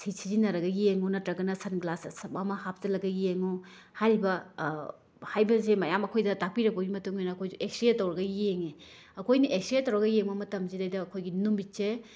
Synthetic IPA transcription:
sʰisʰizinɐɾɐɡɐjeŋunɐtɾɐɡɐnɐsɐnɡlasspamɐhap̚zɐlɐɡɐjeŋu | haɾibɐ | hajbɐzemɐjamɐkʰojdɐtak̚piɾɐk̚bɐɡimɐtuŋojnɐːkʰojueksɾietːɐwɾɐɡɐjeŋeɐkʰojniʔeksɾietːɐwɾɐɡɐjeŋbɐmɐtɐmzidajdɐːkʰojɡinumbit͡ʃe

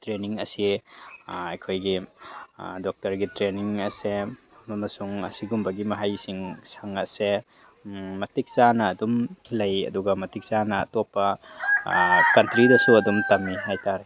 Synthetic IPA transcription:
tɾeniŋɐsi | ɐjkʰojɡi | dok̚tɐɾɡitɾeniŋɐse | mɐmɐsuŋɐ̰siɡumbɐɡimɐɦajsiŋsaŋɐse | mɐtik̚sanɐːdumlɐjɐ̰duɡɐmɐtik̚sanɐ̰ːtopːɐ | kɐntɾidɐsuɐdumtɐmːiɦajtaɾe

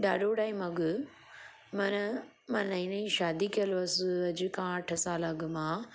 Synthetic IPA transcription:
ɗaːɖoːɽaːĩmɐɡ | mɐnɐ | mãnɐĩnɐĩʃaːd̪ikijɐlɐsɐd͡ʑɪkãːʈʰɐsaːlaɡmãː

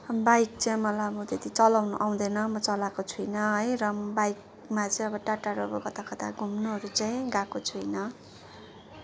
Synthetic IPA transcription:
bajk̚t͡saĩmʌlaʌbʌt̪et̪it͡sʌlawnuʔaw̃d̪enʌmʌt͡sʌlakot͡sʰujnʌɦʌjrʌbajk̚ | mat͡sʌĩʌbʌʈaʈaɾobʌkʌt̪akʌt̪a̰ɡʱumnuɦʌɾut͡saĩɡakot͡sʰujnʌ

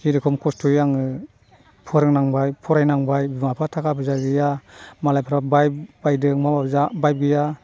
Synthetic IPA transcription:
kiɾɯkʰɔmkʰɔstʰɔjaŋɯ | pʰɔɾɯŋnaŋbajpʰɔɾajnaŋbajbimapʰatʰakʰapʰɯzaɡɯjamalajpʰaɾabajbajdɯŋmabazabajp̚ɡɯja

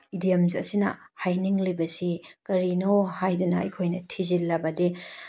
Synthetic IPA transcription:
idijɐmzɐsinɐ̰hajniŋlibɐsikɐɾinohajdunɐɐ̰jkʰojnɐtʰizilːɐbɐdi

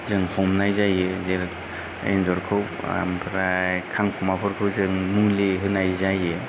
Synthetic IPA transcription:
zɯŋhɔmnajzajezeɾ | ḛnzɔɾkʰɯw̰ | mpʰɾajkʰaŋkʰumapʰɔɾkʰɯwzɯŋmuliɦɯnajzaje

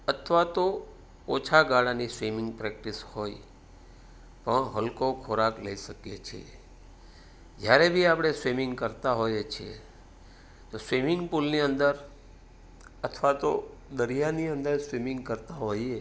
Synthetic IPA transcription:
ət̪ʰʋat̪o | ot͡ʃʰaɡaɽanisʋimɪ̃ŋɡpɾɛk̚ʈishoj | pəɳɦəlkokʰoɾakləiʃəkjet͡ʃʰḛ | d͡ʒjaɾebʱiapɽ̃esʋimɪ̃ŋɡkəɾt̪aɦojet͡ʃʰḛ | t̪osʋimɪŋɡpulniənd̪əɾ | ət̪ʰʋat̪od̪əɾijaniə̃nd̪əɾsʋimɪ̃ŋɡkəɾt̪aɦoje

